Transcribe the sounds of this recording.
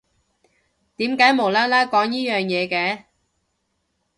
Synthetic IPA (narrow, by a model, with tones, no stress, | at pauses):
t̪iː˨˥mkaː˨˥jmo˨˩wlaː˥laː˥kɔː˨˥ŋjiː˥jœː˨ŋjɛː˨˧kɛː˧˥